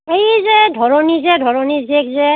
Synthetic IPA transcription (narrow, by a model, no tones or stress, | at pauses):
ejzɛdʱɔɹɔnizɛdʱɔɹɔnizekzɛ